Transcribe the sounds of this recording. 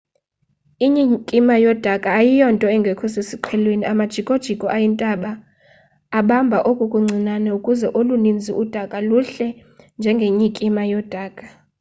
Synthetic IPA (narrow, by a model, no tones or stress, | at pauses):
iɲikʼimajɔd̥ʱakʼaːjijɔntʼɔɛŋɡʱɛkʰɔsesiǃʰɛlweniʔamad̥ʒ̥ʱikʼod̥ʒ̥ʱikʼɔʔajintʼaɓaː | ɓambʱaʔokʼukʼuŋ͡ǀʱinanɛukʼuzɛʔolunind͡zʱiud̥ʱakʼaluɬɛnd͡ʒʱɛŋɡʱeɲikʼimajɔd̥ʱaːkʼa